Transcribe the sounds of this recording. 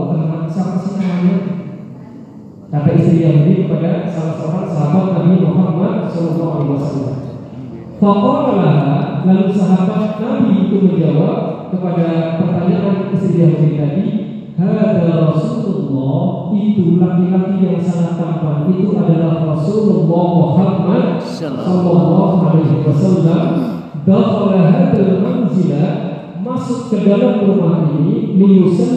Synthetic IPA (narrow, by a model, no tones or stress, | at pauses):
k̪ənəŋansampasənaanɲa | t̪ap̪aʔist̪ɾidamudikəpadasapasaɦabat̪̚saɦabat̪̚kamiwaɦak̚barsɔlɔlːɔɦalaɦwasalːa̰m | fɔt̪ɔkəlaɦalalusaɦabat̪̚kamibuk̪ʊt̪̚mənd͡ʒawap̚kəpadapərt̪aɲaʔanist̪ɾidamud̪it̪adi | had̪aɾɔsululːɑh | it̪unak̪ikat̪ijaŋsalat̪t̪ampanʔit̪uʔadalahrɔsululːɔmuharmad̪̚ | sɔlːɔlːɔɦalajɦɪwasalːam | d̪ɔtkalaɦad̪almanzilat | masʊkkːədalaməɾumaɦinimimusən